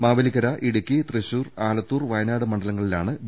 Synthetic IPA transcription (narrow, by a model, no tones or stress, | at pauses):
maːʋɐlikːɐɾɐʔiɽukʲːit̪reɕuːraːlɐt̪ːuːrʋɐjnaːɽɨmɐɳɖɐlɐŋːɐɭilaːɳɨ